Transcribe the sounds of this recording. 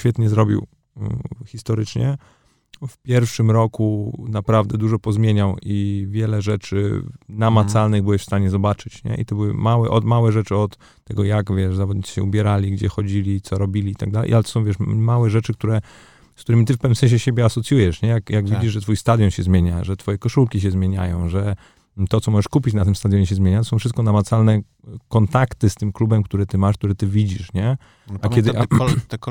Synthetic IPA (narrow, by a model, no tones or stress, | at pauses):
fʲɛt̪ɲɛzɾɔbʲḭw | xʲist̪ɔɾɘt͡ʂɲɛ̰ | fpʲjɛɾfʂɘmɾɔkunapɾavd̪ɛd̪uʐɔpɔzmʲjeɲawʔivʲjɛlɛʐɛt͡ʂɘ̰namat̪salnɘɣbɘwɛɕfst̪aɲɛzɔbat͡ʂɘt͡ɕɲɛ̰ʔḭt̪ɔbɘwɘ̰mawɛʔɔd̪mawɛʐɛt͡ʂɘɔt̪ːɛɡɔjakvʲjɛʂzavɔd̪ɲit͡ɕi̥ɕɛ̰ubʲjɛɾalʲiɡd͡ʑɛxɔd͡ʑilʲit̪sɔɾɔbʲilʲiit̪aɡ̚d̪alɛ̰j̰ʔalɛt̪ɔ̥sɔ̃w̃vʲɛʂmawɛʐɛt͡ʂɘkt̪uɾɛ | sk̚t̪uɾɘmʲit̪ɘfpɛvnɘmsɛ̃ɕ̬ɛɕebʲjɛasɔt̪sʲjujɛʂɲɛjakjaɡvʲid͡ʑiʐʐɛt̪fujst̪ad̪jɔnɕɛzmʲjeɲaʐɛt̪fɔjɛkɔʂulkʲiɕ̬ɛzmʲjeɲa̰jɔ̃w̃ʐɛ | t̪ɔt̪sɔmɔʐɛʂkupʲit͡ɕnat̪ɘmst̪ad̪jɔɲɛɕ̬ɛzmjeɲat̪ɔsɔ̃fʂɘst̪̚kɔnamat̪salnɛ | kɔnt̪akt̪ɘst̪ɘmklubɛmkt̪uɾɛt̪ɘmaʂk̚t̪uɾɛt̪ɘvʲid͡ʑiʂɲɛ | akɛd̪